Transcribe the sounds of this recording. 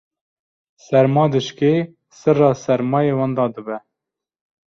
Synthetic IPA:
sɛɾmɑːd̪ɨʃke | sɨrɑːsɛɾmɑːjewɑnd̪ɑːd̪ɨbɛ

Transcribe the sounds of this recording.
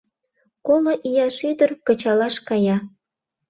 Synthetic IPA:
koloʔijɑʃyd̪ərkɤ̆t͡ɕɑlɑʃkɑjɑ

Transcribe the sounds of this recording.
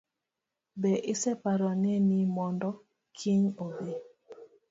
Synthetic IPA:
bɛʔɪsɛpaɾɔnenimɔndɔ | kʰiɲobe

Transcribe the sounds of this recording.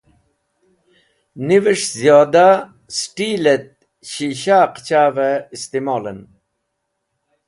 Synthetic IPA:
niveʂzjoːd̪a | sʈiːlet̪̚ | ɕiɕaːqt͡ɕaːveist̪imoːlɐn

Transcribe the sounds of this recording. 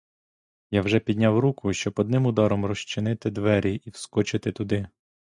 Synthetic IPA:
jawʒɛpʲid̪ʲnʲawɾukʊʃt͡ʃɔbɔd̪nɪmʊd̪ɑɾɔmrɔʃt͡ʃɪnɪt̪ɪd̪ʋɛɾʲiʔiwskɔt͡ʃɪt̪ɪt̪ʊd̪ɪ

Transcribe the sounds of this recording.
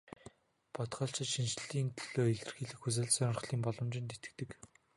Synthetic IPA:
pɔt̪χɔːɬt͡ɕɪ̆t̪ʃint͡ɕ̆ɮiːnt̪ʰɵɮ̥oːeɮɘ̆rxiːɮɘ̆xxus̬ɘ̆ɮsœŋ̆rχɮiːmpɔɮɞ̆mt͡ɕɪ̆nt̪et̪ɘ̆k̚t̪ɘ̆k

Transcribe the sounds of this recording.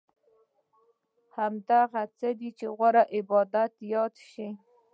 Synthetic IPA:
hamd̪aɣat͡səd̪it͡ʃeɣwaɾaʔɪbɑd̪at̪jɑd̪ʃi

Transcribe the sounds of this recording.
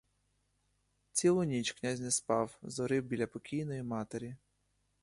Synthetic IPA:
t͡sʲilˠʊnʲit͡ʃknʲazʲnɛspɑwzɔɾɪwbʲilʲɐpɔkʲijnɔjimɑt̪eɾʲi

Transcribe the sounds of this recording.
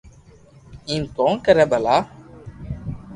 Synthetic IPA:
iːmkoːnkəɾɛːbəlaː

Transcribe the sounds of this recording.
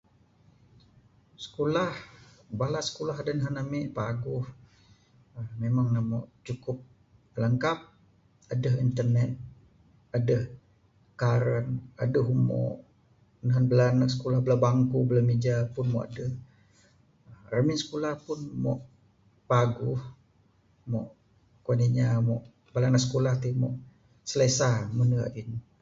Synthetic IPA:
sə̥kolahbalasə̥kulaɦadənəɦanamiʔpaɡʊh | mmemaŋnamɔ̰ʔt͡ʃukʊp̚ | ələŋkap̚ | adəɦint̪ərnɛt̪̚ | adəh | kaɾəna̰dəɦumɔ̰ʔ | naɦanbəlanaʔsə̥kolahbəlabaŋkubəlamid͡ʒapʊnmɔ̰ʔa̰dəh | rəminsə̥kulahpʊnmɔ̰ʔ | paɡuh | mɔʔ | kwaniɲamɔʔ | bəlanaʔsə̥kolaht̪imɔ̰ʔ | səlesamənəa̰ʔin

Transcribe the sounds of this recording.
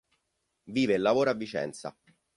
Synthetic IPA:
viːvelːavoːɾoavːit͡ʃɛ̰nt̪sa̰

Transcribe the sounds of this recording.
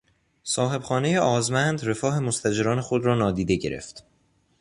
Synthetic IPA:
sɒːɦe̞bxɒːne̞jeɒːzmænd̪re̞fɒːɦe̞most̪æd͡ʒeɾɒːne̞xod̪ɾɒːnɒːd̪iːd̪e̞ɟe̞̰ɾḛft̪

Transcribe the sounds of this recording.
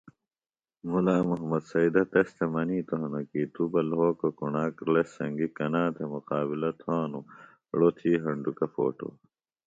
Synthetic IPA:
mulaːmuɦɐmɐd̪sɐid̪ɐt̪est̪ʰemɐniːt̪oɦɐnɐkiːt̪ubɐlɦoːkokunaːkɾlesɐŋɡikɐnaːt̪ʰemuqaːbilɐt̪ʰãːnu | ɽot̪ʰiːɦɐɳɖukɐfo̰ːʈo̰ː

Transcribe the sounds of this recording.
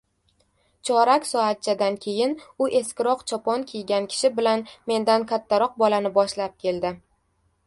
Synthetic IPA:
t͡ʃʰɒɾakʲsɒat̪̚t͡ʃʰad̪ankʲʰe̞jɪnʊʔe̞skʲɪɾɒqt͡ʃʰɒpʰɒnkʲʰejɡʲankʲʰɪ̥ʃɪbɪlanme̞nd̪ankʲʰat̪ʰːaɾɒq̚bɒlanɪbɒʃlap̚kʲʰe̞ld̪ɪ

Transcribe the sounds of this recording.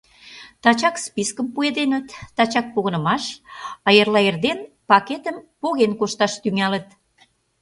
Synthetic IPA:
t̪ɑt͡ɕɑkspiskəmpued̪enət̪ːɑt͡ɕɑk̚poɣənə̆mɑʃɑjərlɑerd̪en | pɑket̪əmpoɣenkoʃt̪ɑʃt̪yŋɑlə̆t̪

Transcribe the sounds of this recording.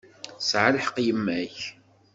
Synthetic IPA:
sʕaləħəqjəmːæç

